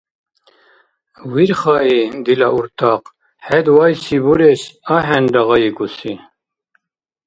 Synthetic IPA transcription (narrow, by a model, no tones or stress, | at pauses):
wiɾχɑid̪ilaʔuɾt̪ʰɑq | hɛd̪wɑjsibuɾesaɦɛnd̪ɑɣɑjikusi